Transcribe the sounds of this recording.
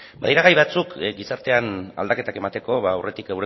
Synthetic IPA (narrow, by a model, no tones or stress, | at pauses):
ba̰ðiɾaɣajβat͡sukɡisaɾt̪e̞ana̰ld̪ake̞t̪ake̞mat̪e̞ko̞βaːwre̞t̪ikewɾe